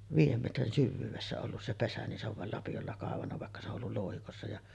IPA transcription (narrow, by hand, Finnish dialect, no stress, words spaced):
ʋiːjˑem metrin syʋːyːʋesːæ olːus se pesæ nin se oʋ ʋɑˑel lɑpijolːɑ kɑˑeʋɑnːɑ ʋɑˑekːɑ se o ʔolːul loˑuhikosːɑ jɑ